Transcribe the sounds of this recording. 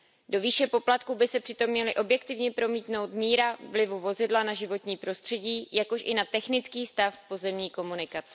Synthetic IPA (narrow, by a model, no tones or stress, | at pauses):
do̞viːʃɛpo̞plat̪kuːbɪsɛpr̥ɪt̪o̞mɲɛlɪʔo̞bjɛk̚t̪ɪvɲɛpɾo̞miːt̪no̞wt̪miːɾavlɪvuvo̞zɪdlanaʒɪvo̞t̪ɲiːpɾo̞st̪r̝̥ɛɟiːjako̞ʃʔɪnat̪ɛxnɪt͡skiːst̪afpo̞zɛmɲiːko̞munɪkat͡sɛ̥